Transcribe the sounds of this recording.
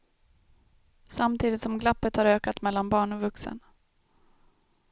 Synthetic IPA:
samt̪ʰiːd̪ɪt̪sɔmɡlapːət̪haɾøːkat̪mɛlːanbɑːɳɔvɵksə̰n

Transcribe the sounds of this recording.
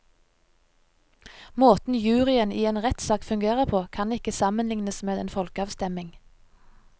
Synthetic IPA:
moːt̪n̩jʉːʁɪənʔiːeːnʁɛt̪sɑːkfʉŋɡeːʁəpʰoːkʰɑnɪkəsɑmənlɪŋnəsmeːd̪ḛːnfɔlkəɑːʋst̪ɛmɪŋ

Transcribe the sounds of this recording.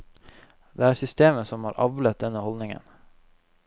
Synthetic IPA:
d̪eːæːɾsʏst̪eːməsɔmhɑːɾʔɑ̰ʋlət̪̚d̪ɛnəhɔlnɪŋə̰n

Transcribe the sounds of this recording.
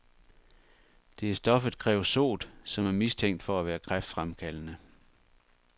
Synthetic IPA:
d̥e̝æsd̥ɒ̽fð̩ˠkʰʁɛ̰ːʊso̝̰ːd̥sɒ̽mæɐmist͡sʰeŋ̰d̥fɒ̽æʋæːɐkʰʁafd̥fʁamkʰælənə

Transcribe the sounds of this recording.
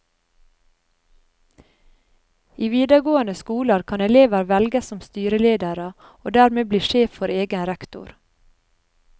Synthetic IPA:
iːʋiːd̪əɡoːənəskuːləɾkʰɑnɛleːʋəɾʋɛlɡəsɔmst̪yːɾəleːd̪əɾə | oːd̪æːɾmeːbliːʃeːfɔɾeːɡənɾɛkt̪ʊ̰ɾ

